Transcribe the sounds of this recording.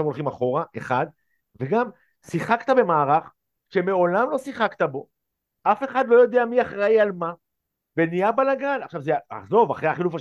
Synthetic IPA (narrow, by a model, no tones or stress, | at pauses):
amolχimaχo̞ʁaʔe̞̰χad̪̚ | ve̞ɡam | siχakt̪abe̞maːʁaχ | ʃe̞meo̞lamlo̞siχakt̪abo̞ | ʔafe̞χad̪lo̞jo̞d̪eamiaχʁaialma | venijabanlaɡanaχʃavzea̰χzo̞vaχʁeaχilufa